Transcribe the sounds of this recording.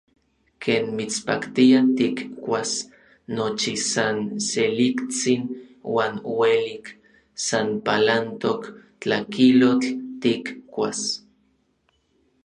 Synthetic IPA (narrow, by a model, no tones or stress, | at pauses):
kʰeːnmit͡spa̰kt̪iat̪ikkʷas | not͡ʃisanselikt͡sinwaːnwelik | sanpalant̪ok | t͡ɬakilot͡ɬt̪ikkʷas